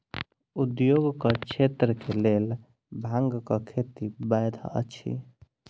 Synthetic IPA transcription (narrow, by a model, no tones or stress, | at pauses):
ud̪joɡkət͡ʃʰet̪ɾəkelel | bʱãŋɡkəkʰet̪ibajd̪ʱa̰ə̰t͡ʃʰḭ